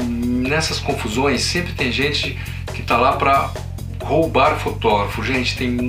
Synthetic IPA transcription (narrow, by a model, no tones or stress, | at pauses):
nɛsɐskõfuzõj̃sːẽmpɾɪt̪ẽj̃ʒẽnt͡ʃɪ | kɪt̪alapɾɐ | howbaɾʊfot̪ɔɡɾɐfʊʒẽt͡ʃɪ̥t̪ẽj̃